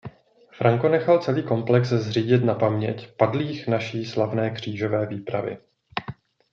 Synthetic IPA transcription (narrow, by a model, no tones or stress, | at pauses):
fɾaŋko̞nɛxalt͡sɛliːko̞mplɛkszr̝iːɟɪt̪napamɲɛcpadliːxnaʃiːslavnɛːkr̝̥iːʒo̞vɛːviːpɾa̰vɪ̰